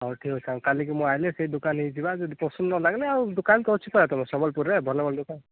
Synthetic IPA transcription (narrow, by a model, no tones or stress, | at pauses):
aʈʰikɦɔjsʰãkalik̬imɔajlɛsejdukanɦejzibazɔd̪ipɔsunnɔlaɡlɛaudukankɔut͡ʃʰipɔat̪ɔmɔsɔbɔlpuɾɛbʱɔnɔbɔld̪ukan